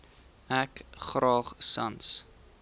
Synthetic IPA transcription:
ækχrɑːχsɐ̰ns

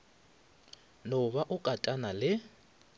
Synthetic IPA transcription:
nʊβaʔʊkʼatʼanalɪ

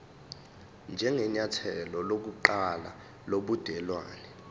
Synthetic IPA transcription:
nd͡ʒʱɛŋʱɛɲatʰɛlɔlok̬uǃala | loɓud̥ʱɛlwaːnɛ

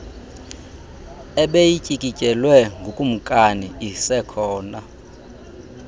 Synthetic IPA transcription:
ɛɓejicʼikʼicʼɛlwɛŋɡʱukʼum̩kʼaniisɛkʰɔːna

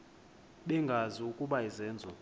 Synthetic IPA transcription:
ɓɛŋɡʱaziukʼuɓaizɛːnd͡zʱɔ

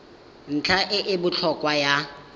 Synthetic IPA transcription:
n̩t͡ɬʰaʔɪʔɪbʊt͡ɬʰɔkʼwaja

